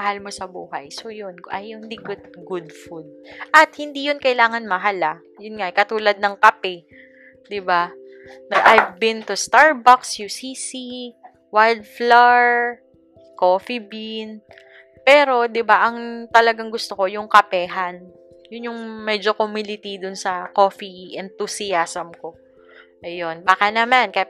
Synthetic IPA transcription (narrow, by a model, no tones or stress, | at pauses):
mɐhalmosɐbuːhɐjsojʊnʔɐjʊnd̪iɡʊd̪̚ɡʊd̪fud̪̚ʔɐt̪̚hɪnd̪ijʊnkɐɪlaːŋɐnmɐɦalɐ | jʊnŋaʔkɐt̪uːlɐd̪̚nɐŋkɐpɛ | d̪ɪba | nɐɡʔajvbɪnt̪ʊst̪aɹbaksjusisi | wajld̪̚flaɹ | koːfibin | pɛːɾo̞d̪ɪbaʔɐŋt̪ɐlɐɡaŋɡʊst̪oko̞jʊŋkɐpɛːɦɐn | jʊnjʊŋmɛd͡ʒo̞komɪlɪt̪id̪ʊnsɐko̞ːfiʔɛnt̪usiasɐmko | ʔɐjonbaːkɐnɐmankɐ